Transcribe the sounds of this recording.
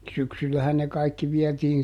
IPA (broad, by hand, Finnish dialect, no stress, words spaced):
syksylːæhæn ne kɑikːi ʋiɛtiːn